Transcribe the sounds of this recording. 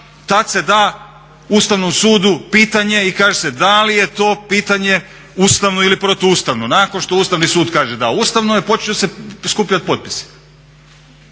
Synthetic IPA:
t̪at̪se̞d̪aː | ust̪aʋno̞msuːd̪upiːt̪aɲe̞ikaːʒese̞d̪alije̞t̪o̞ːpiːt̪aɲe̞ | uːst̪aʋnoilipɾo̞t̪oust̪aʋnonaːkonʃt̪o̞uːst̪aʋnisuːd̪kaːʒed̪aust̪aʋnojepo̞t͡ʃɲoseskupʎat̪̚po̞t̪̚pi̥si̥

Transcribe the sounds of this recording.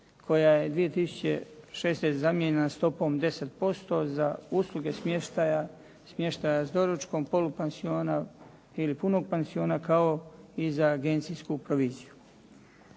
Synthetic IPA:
kʰo̞jaːje̞d̪ʋije̞t̪isu̥t͡ɕe̞̰ʃeːsnest̪ezamjeɲenast̪o̞po̞md̪e̞set̪̚po̞st̪o̞zauslˠuɡe̞smeʃt̪aja | smje̞ʃt̪ajazd̪o̞ɾot͡ʃko̞ːmpo̞lupensioːna | ilipuno̞ɡ̚penzio̞ːnakao̞izaːɡent̪siskupɾoʋiːziju

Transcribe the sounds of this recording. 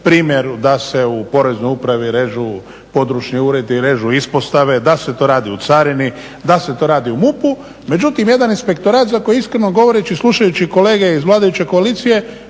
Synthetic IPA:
pɾiːmjeɾd̪ase̞upo̞ɾe̞znojupɾaʋiɾe̞ːʒu | po̞d̪ɾuʃniuːɾe̞d̪iɾe̞ʒuispo̞st̪aʋe̞d̪ase̞t̪o̞ɾaːd̪iut̪saɾini | d̪ase̞t̪o̞ːɾaːd̪iumupu | me̞d͡ʒut̪imje̞d̪aninspe̞k̚t̪o̞ɾaːt̪zako̞jiiskɾeno̞ɡo̞ʋo̞ɾet͡ʃisluʃajut͡ɕiko̞leːɡe̞izʋlaːd̪ajut͡ɕe̞ko̞aliːt̪sije̞

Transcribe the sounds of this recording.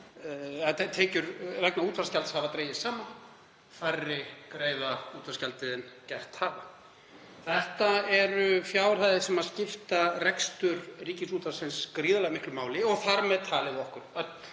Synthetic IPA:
at̪ʰɛːcʏɾrɛknauːt̪vaɾ̥scalt̪shavat̪ɾeːjɪsaːma | farːɪkɾeːjðauːt̪vḁscalt̪ɪðɛncɛht̪haːva | θɛht̪aɛɾʏfjaːwr̥haːjðɪsɛmaðscɪft̪arɛkst̪ʏɾriːcɪnsuːt̪asɪnskɾiːðalɛɣmɪhklʏmaːwlɪɔɣθaɾmɛðt̪ʰaːlɪðɪɔhkʏɾ̥

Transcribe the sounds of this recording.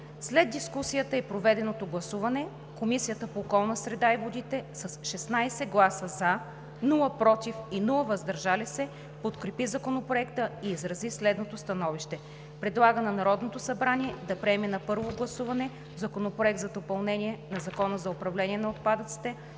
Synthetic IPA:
slɛd̪̚d̪iskusijət̪əɛpɾovɛd̪ɛnot̪oɡlˠɐsuvɐnɛ | komisijət̪əpoːkɔlˠnəsɾɛd̪aivod̪it̪ɛsɐsʃɛsnajsɛɡlˠasəza | nulˠəpɾɔt̪ifinulˠəvɐzd̪ɐɾʒalisɛ | pot̪kɾɛpizɐkonopɾoɛkt̪əiːzɾɐzislɛd̪not̪ost̪ɐnɔviʃt̪ɛ | pɾɛd̪lˠaɡənɐnɐɾɔd̪not̪osɐbɾaniɛd̪ɐpɾɛɛmɛnɐpɤɾvoɡlˠɐsuvɐnɛ | zɐkonopɾoɛk̚d̪zɐd̪opɐlˠnɛnʲiɛnɐzɐkɔnəzɐopɾɐvlɛniɛnɐot̪̚pad̪ət̪si̥t̪ɛ

